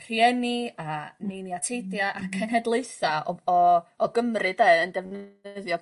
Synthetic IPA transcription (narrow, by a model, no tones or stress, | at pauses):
r̥iɛnianiniatʰejdjaʔakʰɛnɦɛdlˠeɨθaɔɔɔɡəmrɨdeəndɛvnəðjɔ